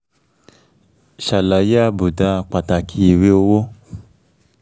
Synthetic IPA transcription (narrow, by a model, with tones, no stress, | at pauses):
ʃa˨la˨ja˦bu˨da˨˦˨k͡pa˨ta˨kʰi˨we˦o˧wo˦